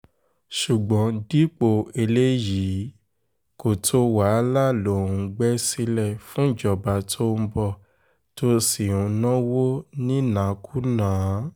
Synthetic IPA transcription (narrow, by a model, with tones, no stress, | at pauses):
ʃu˨ɡ͡bɔ̃˨˦di˦k͡po˧˨e˧le˦jiː˨˦ | ko˨tʰo˧˦wa˨˦la˦lo˨˦˨ũ˨˧ɡ͡bɛ˦si˧lɛ˦˨fũ˦˨d͡ʒɔ˨ba˨tʰo˦m̩˧˦bɔ˧˨ | to˧si˨ũ˨˧nɔ̃˦wo˦nĩ˦nã˨˦kʰu˦nãː˨˦